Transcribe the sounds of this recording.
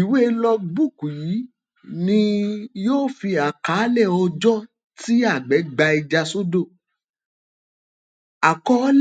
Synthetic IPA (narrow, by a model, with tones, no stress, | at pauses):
i˨we˦lɔ˧ɡ͡bu˦˨ku˨ji˨˦ | nĩ˧joː˦fi˧a˨ka˨˦lɛ˦˨ɔ˧d͡ʒɔ̃˦ | ti˦a˦˨ɡ͡bɛ˨˦ɡ͡ba˧i˧d͡ʒa˧so˦do˦˨ | a˨kɔ˦l